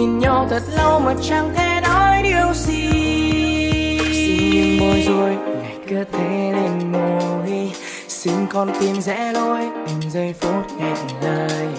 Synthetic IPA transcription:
i˨˧˩nɲɔ˧wt̪ʰə˨˩t̚lə˧wmo˨˩t̚t͡ɕa˧ŋt̪ʰɛ˧nɔ˧˦˥jɗi˨˩əwzi˧ | si˧˦ŋ˦i˧ŋmo˧˩jzo˧˩əjŋa˨˩jkɨ˨˦˥t̪ʰe˨˧˥le˧˩nmo˧i˧ | si˧ŋ̟kɔ˧˩nt̪i˧mzɛ̰˧˥lo˧jt̪i˨˧˩mzə˧jfo˨˦˥t̚kɛ˧˩t̚n˨zəː˧j

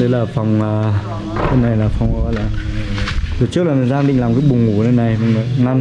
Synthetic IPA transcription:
ɗə˧˦jlaː˨˩fa˨˩wŋ͡maː˨˩ | ɗe˧˦nːa˨˩jlaː˨˩fɔ˨˩wŋ͡mɔ˧˨˦laː˨˩ | zo˨˩t͡ɕɨ˦˥ək̚laː˨˩i˨˩nzaː˧ŋɗï˧˨ŋlaː˨˩mkaː˨˦jɓʊ˨˩ŋ͡mŋu˨˧˩ɗe˧na˨˩jm˧mə˨˩na˧m

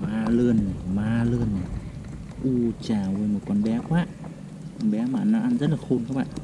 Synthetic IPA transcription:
maː˧lɨ˧ən˨˩maː˧lɨ˧ən˨˩ | ʔu˧˩t͡ɕaː˨˩vəː˧jmo˨˩t̚kɔ˧nɓɛ˨˦kwaː˦˥ʔ | kɔ˧nɓɛ˨˦maː˨naː˧˥ʔa˧nzə˦˥t̚laː˨˩xo˧˨nka˨˦k̚ɓa̰ː˧˨

